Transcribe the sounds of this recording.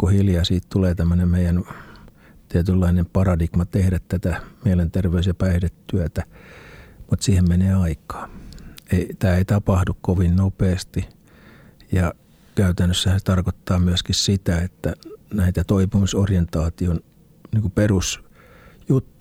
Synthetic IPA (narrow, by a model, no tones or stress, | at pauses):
kuhiljɑsiːtt̪uleːt̪æmːønemmeijæn | t̪iæt̪ylːɑinempɑrɑdikmɑt̪ehɾæt̪t̪æt̪æmiælent̪erʋeysjɑpæihdet̪t̪yæt̪æ | mut̪siːhemmeneːɑikɑ̥ːeit̪æːeit̪ɑpɑhdukkoʋinnopeːst̪i | jɑ | kæyt̪ænːøsːæhænse̥t̪ɑrkot̪ːɑːmyæskissit̪æet̪ːænæit̪æt̪oipimisorjent̪ɑːt̪ion | niːŋkuperus | jut̪ːu̥